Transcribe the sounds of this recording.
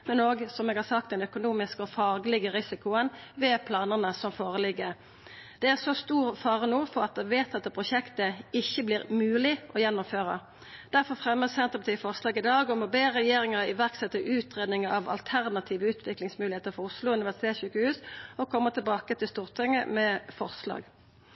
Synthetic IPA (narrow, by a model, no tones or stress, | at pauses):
mɛnoːɡsɔmeːɡhɑːʁsɑkt̪̚ɛnœkʊnuːmɪskəɔfɑːɡəlɪɡəʁɪsɪkʊənʋɛːpʰlɑːnənəsɔmfoːʁəlɪɡːə | d̪̥ɛæʁsɔst̪uːʁfɑːʁənoːfɔʁɑt̪̚d̪ɛʋeːt̪ɑt̪̚pʰʁʊʃɛkt̪əɪçːəbliːʁmʉːlɪʔɔjɛnːʊmføːʁə̰ | d̪̥æʁfɔʁfʁɛmːəsɛnt̪əpɑt̪iːəfɔʁslɑːɡɪd̪ɑːɡɔmɔbeːʁɛjeːɾɪŋəʁɪʋæʁksɛt̪ːəʔʉːt̪ʁeːd̪nɪŋəɑʋɑ̰lt̪ʰæʁnɑt̪ʰiːʋəʉːt̪ʰʋɪklɪŋsmʉlɪheːt̪əɾfɔʁʊslʊʉnɪʋæsɪt̪ʰeːɕʉːkəhʉːsɔkʰɔmːət̪ʰɪlbɑːkət̪ʰɪlst̪uːʁt̪ʰɪŋːə̰mɛfɔʁslɑ̰ːɡ